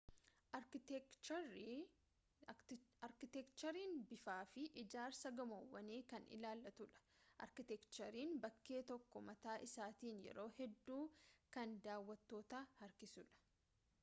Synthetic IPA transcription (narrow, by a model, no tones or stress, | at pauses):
ʔɐɾkt͡ʃɾ | ɐɾkɪt̪ɛkt͡ʃɐɾiːnbɪfaːfɪʔɪd͡ʒaːɾsɐɡɐmowːɐneːkɐnɪ̰laːlːɐt̪ʊᶑɐ̥ʔɐ̰ɾkɪt̪ɛkt͡ʃɐɾiːnbɐkːe̞ːt̪ɔkːɔmɐt̪aːʔɪsaːt̪iːnjɛ̰ɾo̞ːhɛd̪ːuːkɐnd̪aːwːɐt̪ːo̞ːt̪aːhɐɾkɪsʊᶑɐ̥